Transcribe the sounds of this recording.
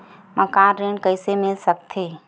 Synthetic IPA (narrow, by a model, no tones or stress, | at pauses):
məkaɾɾeɳɖkəɪsemɪlsək̚t̪ʰe